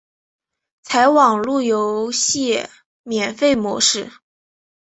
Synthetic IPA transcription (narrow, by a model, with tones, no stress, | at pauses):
t͡sʰa˧˥ɪwɑ˨˩ŋlu˥˩jo˧˥ʊɕjɛ˥˩ | mjɛ˨˩nfe˥˩ɪmwɔ̰˧˥ʂɻ̩˥˩